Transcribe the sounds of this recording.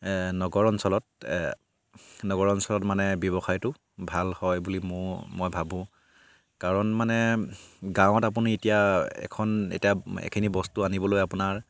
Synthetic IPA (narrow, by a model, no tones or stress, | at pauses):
nɔɡɔɹɔnsɔlɔt̚ | nɔɡɔɹɔnsɔlɔtmanɛbjɔbɔxajtʊ | bʱalhɔjbulimʊmɔjbʱabʊ̃ | kaɹɔnmanɛ | ɡãw̃ɔtap̬unietijaɛ̰kʰɔnḛtijaɛ̰kʰinibɔstuanibɔlojapʊnaɹ